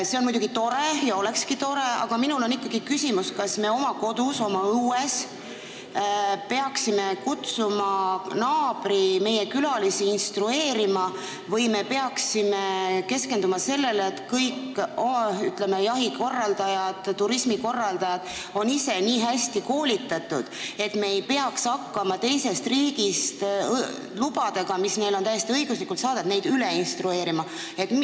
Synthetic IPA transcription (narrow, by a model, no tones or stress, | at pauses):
se̞onmujd̪uɡ̥it̪o̞ɾe̞jɑo̞le̞kskit̪o̞ɾe̞ɑ̰ɡ̥ɑminulo̞nikːɑɡ̥ikysimuskɑsme̞o̞mɑko̞d̪̥uso̞mɑuːe̞s | pe̞ɑksime̞kut̪sumɑnɑːb̥ɾime̞jekylɑlisiinst̪rue̞ːɾimɑ | vɤjme̞pe̞ɑksime̞ke̞ske̞nd̪umɑse̞lːe̞leːt̪kɤjkː | oyt̪lemejɑɦiko̞rːɑld̪ɑjɑd̪̥ːuɾismiko̞rːɑld̪ɑjɑd̪̥ | o̞nise̞niːɦæsʲt̪iko̞ːlit̪ːˑɑt̪ːˑud̪̥e̞t̪me̞ejpe̞ɑksɑkːɑmɑt̪e̞jse̞st̪riːɡ̥ist̪ | lubɑd̪̥e̞ɡ̥ɑmisne̞jlot̪æje̞st̪iɤiɡ̥uslikːˑult̪sɑːd̪ed̪̥ne̞jd̪yleinst̪ɾue̞ːɾimɑ | e̞t̪